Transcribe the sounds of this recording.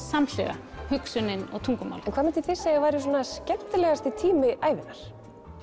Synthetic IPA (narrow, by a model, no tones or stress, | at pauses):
saml̥ɛɣa̰hʏksʏnɪnɔɣt̪ʰuŋkʏma̰wlɛnkʰvaːmɛnt̪ɪθɪsːavaːɾjʏs̬ɔnascɛm̥t̪ɪlɛɣast̪ɪt̪ʰiːmɪʔaːjvɪnːaɾ̥